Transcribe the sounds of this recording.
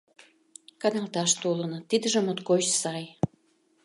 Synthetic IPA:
kɑnɑlt̪ɑʃt̪olənŏt̪id̪ə̆ʒəmot̪kot͡ɕsɑj

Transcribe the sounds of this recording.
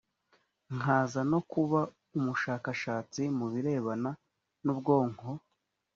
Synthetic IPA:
ŋ̥aːzano̞kuβa | umuʃaːkaʃaːt͡simuβiɾe̞ːβana | nubɡo̞ːŋho

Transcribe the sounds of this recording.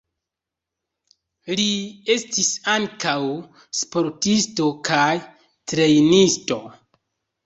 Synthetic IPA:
lie̞stisaŋkaw | spo̞ɾtisto̞kʰaj | tɾe̞jnisto̞

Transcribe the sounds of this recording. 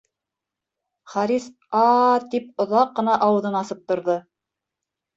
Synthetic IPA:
χɑɾis | ɑt̪ip̚ŏðɑqːɤ̆nɑʔɑwɤ̆ðɤnɑsɤp̚t̪ŏɾðɤ

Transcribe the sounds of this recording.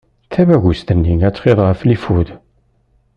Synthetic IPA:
θævæʝust̪ənːiŋæt͡sːχeðˤʁəflifuð

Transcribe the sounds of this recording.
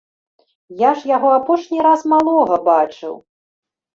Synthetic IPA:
jaʂjaɣɔapɔʂnʲiɾasmalˠɔɣɐbat͡ʂɨ̰w

